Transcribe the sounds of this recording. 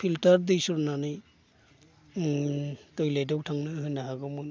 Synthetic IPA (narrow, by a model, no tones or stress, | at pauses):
pʰiltaɾdɯjsuɾnanɯj | tɔjlajdawtʰaŋnɯɦɯjnaɦaɡɔmun